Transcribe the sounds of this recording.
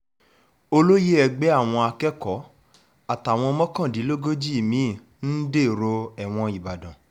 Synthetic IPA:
o˧lo˦je˦ɛ˧ɡ͡bɛ˦a˦˨w̃ɔ̃˧a˧kɛ˦kɔ˨˦ | a˦˨ta˨w̃ɔ̃˧mɔ̃˦kã˦˨di˨˦lo˦ɡo˦d͡ʒi˦i˦˨mĩ˨˦˨ | n̩˦de˦˨ɾo˧ɛ˨w̃ɔ̃˧i˨ba˨dã˨

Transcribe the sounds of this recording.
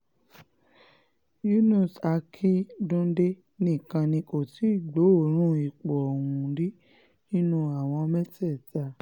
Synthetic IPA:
ju˦nũ˦˨sa˧kʰi˦dũ˦de˦ | nĩ˦˨kã˧nĩ˧ko˨ti˨˦i˦˨ɡ͡bo˨˦o˦˨ɾ̃ũ˦i˨k͡pɔ˨ɔ˨wũ˨di˦ | nĩ˦nũ˧a˨w̃ɔ̃˧mɛ˦tɛ˦˨ta˨˧˨

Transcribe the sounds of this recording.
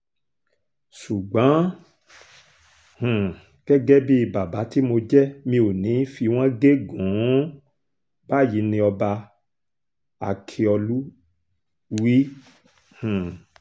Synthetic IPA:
su˨ɡ͡bã˨˦ | hũ˨ | ɡ̥ɛ˦ɡɛ˦bi˦˧ba˨ba˨˦ti˦mo˧d͡ʒɛ˦mĩ˧o˨nĩ˨˦fi˧w̃ã˦ɡe˦ɡũ˨˦ | ba˦˨ji˨˦nĩ˧ɔ˧ba˧ | a̰˨kʰi˧ɔ˧lu˦ | wi˦ | hũ˨

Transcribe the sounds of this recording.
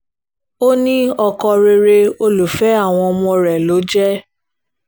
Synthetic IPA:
o˦nĩ˦ɔ˧kɔ˧ɾe˧ɾe˧o˧lu˨fɛ˨˦a˦˨w̃ɔ̃˧ɔ˧mɔ̃˧ɾɛ˨lo˨˦d͡ʒɛ˦

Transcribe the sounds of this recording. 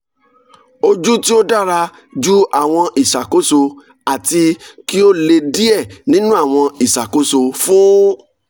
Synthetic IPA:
o˧d͡ʒu˦ti˦o˦da˦˨ɾa˧ | d͡ʒu˦a˦˨w̃ɔ̃˧ʔi˨ʃa˨ko˨˦so˧ | a˨ti˧ki˦o˦le˧di˦ɛ˦˨nĩ˦nũ˦a˦˨w̃ɔ̃˧i˨ʃa˨ko˨˦so˧fũ˦

